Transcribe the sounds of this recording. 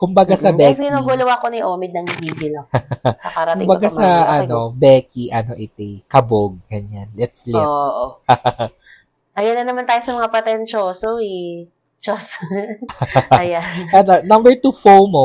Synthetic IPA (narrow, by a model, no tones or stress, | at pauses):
kʊmbɐɡasɐbɛɡɪnoɡulɐwakonɪʔoːmɪd̪̚nɐŋbiːɡɪlɐɐkaɾɐtkʊmbɐɡasɐʔɐno̞bɛːkiʔɐnoʔɪt̪ɪkɐboɡ̚ɡɐɲjanlɛt̪slɛʔo | ʔɐjɐnɐnɐmant̪aːjosɐmɐŋapɐt̪ɛnt͡ʃosoi | t͡ʃos | ɐjaɐd̪ɐnɐmbɛɹt̪ufowmo